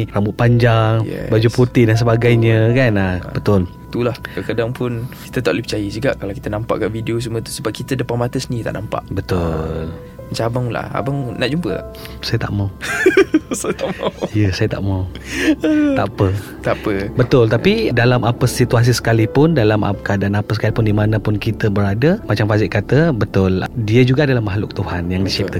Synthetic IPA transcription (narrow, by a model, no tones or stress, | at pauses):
ramʊt̪̚paɲd͡ʒaŋj̰bad͡ʒupurt̪idans̬əbaɡajɲəkanabət̪ʊl | t̪ulahkakədaŋpʊnki̥t̪ət̪aʔləpət͡ʃajəs̬iɡaʔkalawki̥t̪ənãmpa̰ʔkaʔvideos̬əmuət̪u̥səbap̚kit̪ədəpanmat̪əsənit̪aʔnʔampa̰ʔbət̪ʊl | mət͡ʃaabaŋla̰a̰baŋnaʔd͡ʒumpə̰l̰ | sajət̪a̰ʔmaw | sajət̪aʔmawijəsajət̪a̰ʔmawəaʔpə | t̪apəbət̪ʊlt̪apidalamapəsit̪uas̬isə̥kalipʊndalama̰kadanapəsə̥kalipʊndimanãpʊnkit̪əbəɾadəmat͡ʃamfazɪkːat̪əbət̪ʊldiəd͡ʒuɡadalahmaɦlʊk̚t̪uhanjaŋdisip̪̚a